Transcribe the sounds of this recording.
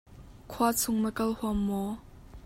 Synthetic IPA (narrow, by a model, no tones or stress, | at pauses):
kʰuat͡sʰʊŋməkɐlhuɐmːɔ